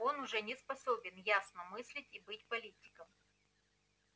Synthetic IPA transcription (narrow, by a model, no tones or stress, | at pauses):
o̞nʊʐɛnʲɪspɐsobʲɪnjasnəmɨsʲlʲɪtʲibɨtʲpɐlʲitʲɪ̥kəm